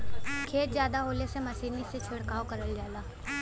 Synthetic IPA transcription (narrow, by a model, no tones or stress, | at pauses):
kʰeːt̪zjaːd̪aɦoːlesemɐsiːniset͡ʃʰʊɽkaːokɐɾəld͡ʒaːlaː